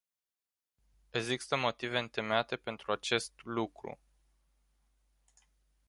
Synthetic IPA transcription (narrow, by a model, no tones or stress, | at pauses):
eɡzist̪əmo̞t̪ive̞ɨnt̪e̞meat̪e̞pe̞nt̪ɾuat͡ʃe̞st̪lukɾṵ